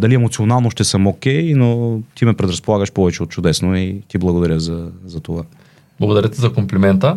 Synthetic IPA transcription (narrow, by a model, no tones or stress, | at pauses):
d̪ɐliɛmot̪sionalˠnoʃt̪ɛsəmokʲɛjnot̪imɛpɾɛd̪ɾɐspolˠaɣəʃpɔvɛt͡ʃɛot̪t͡ʃʊd̪ɛsnoit̪iblˠɐɡod̪ɐɾʲjəzɐzɐt̪ova | b̥lˠɐɡod̪ɐɾʲət̪ɛzɐkomplɛmɛnt̪ə